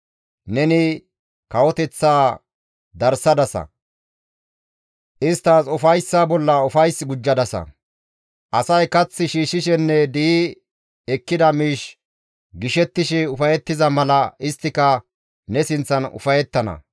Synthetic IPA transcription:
nɛnɪ | kɐwɔt̪ɛt͡sːaː | d̪ɐɾsɐd̪ɐsɐ̰ | ʔɪst̪ːaːsʊfɐjsːabɔlːɐʊfɐjsɡʊd͡ʒːɐd̪ɐsɐ̰ | ʔɐsɐjkɐt͡sːɪʃiːʃɪʃɛnːɛd̪i | ɛkːɪd̪ɐmiːʃ | ɡɪʃɛt̪ːɪʃɪʊfɐjɛt̪ːɪzɐmɐlɐɪst̪ːɪkɐ | nɛsɪnt͡sːɐnʊ̰fɐjɛt̪ːɐnɐ̰

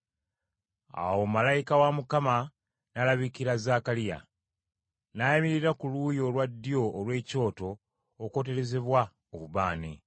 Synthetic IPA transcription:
a̰wo̞malajikawamukama | nalaβikiɾazakalija̰ | najamiɾiɾakulujo̞lwadːijo̞ːlwe̞ːco̞ːto̞ː | ko̞t̬e̞ɾe̞zeβwa | oβuβaːne

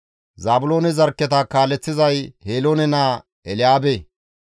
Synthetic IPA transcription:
zaːbʊlo̞ːnɛzɐɾkːɛt̪ɐkaːlːɛt͡sːɪzɐjheːlo̞ːnɛnaː | ɛlɪjaːbe

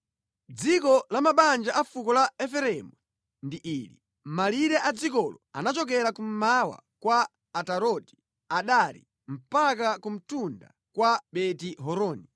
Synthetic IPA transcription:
d͡zikɔlamaɓand͡ʒaʔafukɔlaɛfɛɾɛmu | ndiʔili | maliɾɛʔad͡zikɔlɔa̰nat͡ʃɔk̬ɛɾakum̩mawa̰kwaː | taɾɔti̥ | aɗalḭ | m̩pak̬akum̩tunda̰ | kwaɓɛtiɦɔɾɔːni

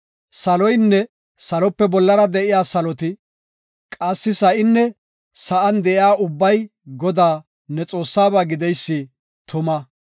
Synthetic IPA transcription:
sɐlɔjnːɛ | sɐlɔpːɛbɔlːɐɾɐd̪ɛʔɪjaːsɐlɔt̪ɪ | kʼɐsːɪsɐʔɪnːɛ | sɐʔɐnd̪ɛʔɪaːʔʊbːɐj | ɡɔd̪aː | nɛt͡sʼo̞ːsːaːbaːɡɪd̪ɛjsːɪ | t̪ʰʊmɐ

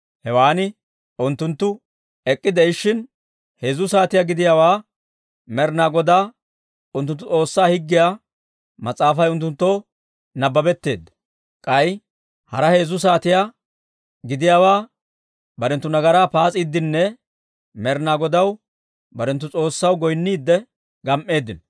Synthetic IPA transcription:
hɛwaːnɪ | ʊnt̪ːʊnt̪ːʊ | ɛkʼːɪd̪ɛɪʃːɪn | he̞ːzʊs̬aːt̪ɪjaɡɪd̪ɪjaːwaː | mɛɾnaːɡɔd̪aː | ʊnt̪̬ːʊnt̪ːʊt͡sʼo̞ːsːaːhɪɡːɪjaː | mɐt͡sʼːaːfɐjʊnt̪ːʊnt̪ːoː | nɐbːɐbɛt̪ːe̞ːd̪ːɐ | kʼɐj | hɐɾɐhe̞ːzʊs̬aːt̪ɪja | ɡɪd̪ɪjaːwaː | bɐɾɛnt̪ːʊnɐɡɐɾaːpaːt͡sʼiːd̪ːɪnːɛ | mɛɾnaːɡɔd̪ɐw | bɐɾɛnt̪ːʊt͡sʼo̞ːsːɐwɡɔjnːiːd̪ːɛ | ɡɐmʔe̞ːd̪ːɪn

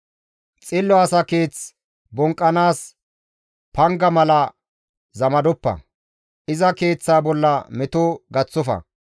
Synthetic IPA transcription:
t͡sʼɪlːɔɐsɐke̞ːt͡s | bɔŋkʼːɐnaːs | pɐŋɡɐmɐlɐ | zɐmɐd̪ɔpːɐ̰ | ʔɪzɐke̞ːt͡sːaːbɔlːɐmɛt̪ʊɡɐt͡sːʊfɐ̰

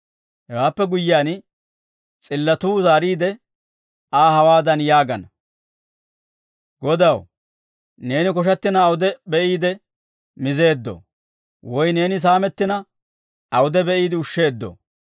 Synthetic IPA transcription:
hɛwaːpːɛɡʊjːɪaːn | t͡sʼɪlːɐt̪uːzaːɾiːd̪ɛ | aːhɐwaːd̪ɐnjaːɡɐnɐ | ɡɔd̪ɐw | ne̞ːnɪkɔʃ̬ɐt̪ːɪnɐːwʊd̪ɛbɛʔiːd̪ɛ | mɪze̞ːd̪ːɔ̰ | wɔjne̞ːnɪs̬aːmɛt̪ːɪnɐ | ʔɐwʊd̪ɛbɛʔiːd̪ɪʊʃːe̞ːd̪ːɔ̰

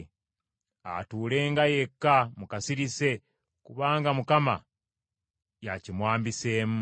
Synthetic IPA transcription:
a̰tuːle̞ːŋɡaje̞kːamukasiɾise̞ | kuβaːŋɡamukama̰ | jacimwaːmbise̞ːmu

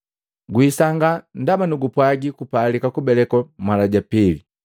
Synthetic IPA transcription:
ɡwisaŋɡan̩damanuɡupwaɡikupaːlikakubɛlɛkɔmalaɟapili

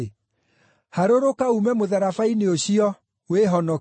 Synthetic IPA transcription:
haɾoɾokaumɛmoðaɾafaineoɕiɔ | weɦɔnɔ

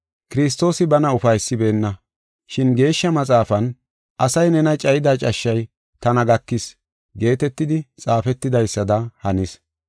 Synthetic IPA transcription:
kɪɾɪs̬t̪ːo̞ːsɪbɐnɐʊfɐjsːɪbe̞ːnːɐ | ʃɪnɡe̞ːʃːɐmɐt͡sʼaːfɐn | ʔɐsɐjnɛnɐt͡ʃʼɐjɪd̪at͡ʃʼɐʃːɐj | t̪ɐnɐɡɐkːɪs | ɡe̞ːt̪ɛt̪ːɪd̪ɪt͡sʼaːfɛt̪ːɪd̪ɐjsːɐd̪ɐhɐnɪs

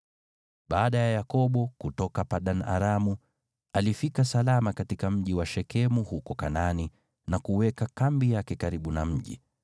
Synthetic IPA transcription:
ɓaːɗajajakɔɓɔkutɔkapaɗana̰ɾamu | alifikasalamakatikam̩ʄiwaʃɛkɛmuhukɔkanani | nakuwɛkakambijakɛkaɾiɓunam̩ʄḭ

